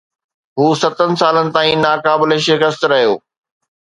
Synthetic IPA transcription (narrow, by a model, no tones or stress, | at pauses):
ɦuːsɐt̪ənɪ̆saːlənɪ̆t̪aːĩnaːkaːbɪleʃɪkəst̪ɾɐɦijoː